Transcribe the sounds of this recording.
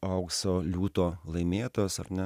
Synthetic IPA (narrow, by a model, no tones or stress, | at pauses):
ɐʊksoːlʲuːt̪oːlˠɐɪmʲeːt̪oːsɐ̰ɾnʲɛ